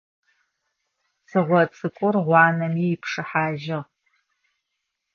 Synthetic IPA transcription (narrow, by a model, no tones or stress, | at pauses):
sɨʁʷɔt͡sʼɨkʷʼʊrʁʷɑːnɐmiːjːpʰʂɨħaːʒɪʁ